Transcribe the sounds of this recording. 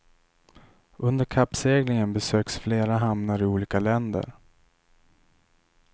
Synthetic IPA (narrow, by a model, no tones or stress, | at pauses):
ʔɵnd̪əɾkʰapːseːɡlɪŋənbɛsøːksfleːɾaɦamnaɾɪuːliːkalɛnd̪ə̰ɾ